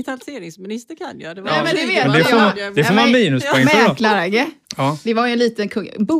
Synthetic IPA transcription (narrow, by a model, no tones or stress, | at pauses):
t̪ʰalseːɾɪŋsmɪnɪst̪əɾkʰanjɑd̪ɛnɛmɛnd̪ɪveːmɛnd̪ɛsɔd̪ɛsɔmamiːnɵspʰɛŋmɛklaɾaɡəɔd̪ɛvajɛnliːt̪ənkʰɵŋbu